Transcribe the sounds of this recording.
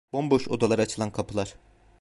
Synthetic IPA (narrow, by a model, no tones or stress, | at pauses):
b̥ombo̞ʃod̪alˠaɾɯat͡ʃʰɯlˠankʰapʰɯlˠaɾ̥